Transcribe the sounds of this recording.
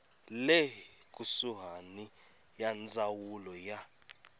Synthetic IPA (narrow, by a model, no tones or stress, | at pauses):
le | kʼusuɦani | jand͡zʼawulɔja